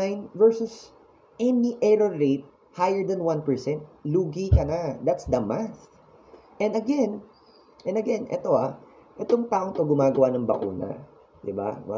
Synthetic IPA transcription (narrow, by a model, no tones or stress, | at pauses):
ajnvɛɹsʊs | ʔɛniʔɛɹoɹet̪̚ | hajəɹd̪ɐnwanpɛɹsɛnt̪̚luːɡikɐnad̪at̪sd̪ɐmaθ | ʔɛ̃nɐɡɛn | ʔɛnɐɡɛnʔɛ̰t̪o̞a | ʔɛt̪o̞ŋt̪aːʔoŋt̪oɡʊmaːɡɐwanɐŋbɐ̰kṵːnɐ̰ | d̪ɪba̰wa̰